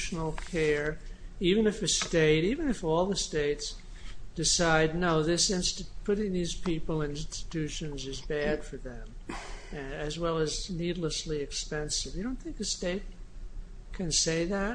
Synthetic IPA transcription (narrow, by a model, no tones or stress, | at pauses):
ʃn̩l̩ˠkʰɛɹivɨ̃nɨfɨsteɪɾivɨ̃nɨfɔlˠðəsteɪts | d̥ɨsaɪdⁿnoʊðɪsɪ̃nstɨpʰʊɾɪ̃ŋðiz̥pʰipl̩ˠɨ̃ñnstɨ̥tʰʉʃɨ̃nzɨzbæd̥fə˞ðɨ̃m | ɨɨzwɛlˠəznidˡləsliɨkspɛ̃nsɨvjɨdõʊ̃nθɪ̃ŋkɨsteɪt̚ | kʰɨ̃nseɪðæt̚